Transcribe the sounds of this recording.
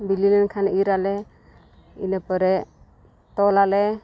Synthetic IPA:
bililɛnkʰaniɾalɛ | ḭnəpəɾɛ | t̪ɔlalɛ

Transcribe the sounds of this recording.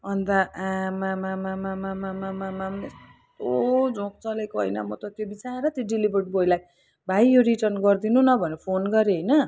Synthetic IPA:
ʌnt̪aʔamamamamamamamamamamnes | t̪od͡zʱõk̚t͡sʌlekoɦʌ̰jnʌ̰mʌt̪ʌt̪jobit͡saɾʌt̪joɖilibʱʌrʈ̚bojlaj | bʱajoɾiʈʌrnɡʌrd̪inunʌbʱʌnepʰonɡʌɾeɦʌjnʌ

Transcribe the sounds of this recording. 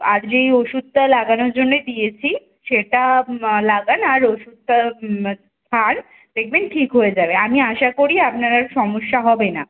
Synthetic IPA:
a̰ɾd͡ʑejoʃud̪̚t̪alaɡanoɾd͡ʑonːed̪ijet͡ɕʰi | ʃeʈalaɡanaɾoʃud̪̚t̪a | t̪ʰan | pɾeɡ̚meɳʈʈʰikɦojed͡ʑabeamiaʃakoɾiap̚naɾaɾʃɔmoʃːaɦɔbena

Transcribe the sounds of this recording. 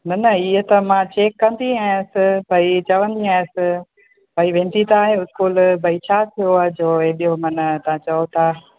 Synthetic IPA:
nɐnɐiɦət̪ɐmãt͡ɕeːkːɐ̃nd̪iɦaːjʊ̃sɪ̆bɐit͡ɕɐʋə̃nd̪iɦãːsɪ̆ | bʱɐiʋẽːnt̪it̪ʰaːɦeʊskuːlbʱɐit͡ɕʰaːt̪ʰijoaːɦed͡ʑoːeːɗijomɐnt̪ɐãt͡ɕɐot̪ʰaː

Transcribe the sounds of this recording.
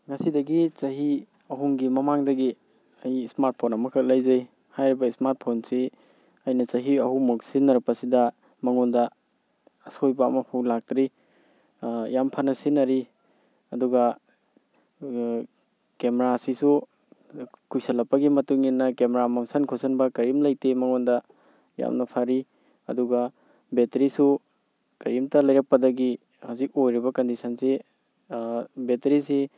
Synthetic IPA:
ŋɐsidɐɡit͡ʃɐɦi | ɐɦuŋɡimɐmaŋdɐɡi | ɐjsmaɾt̚pʰonɐmɐkʰɐk̚lɐjzɐj | hajɾibɐismaɾt̚pʰonsi | ɐjnɐt͡ʃɐɦiɐhumuk̚sinːɐɾpɐsidɐ | mɐŋundɐː | sojbaːmɐpʰowlak̚tɾi | jampʰɐnɐsinɐɾi | ɐduɡɐ | kemeɾasisu | kujsɐlɐpːɐɡimɐtuŋinːɐkemeɾamɐŋsɐnkʰosɐnbɐkɐɾimlɐjtemɐŋondɐ | ja̰mnɐpʰaɾi | ɐ̰duɡɐ | betɾisu | kɐɾimtɐlɐjɾɐk̚pɐdɐɡi | hawzik̚ojɾibɐkɐndisɐnse | betɾise

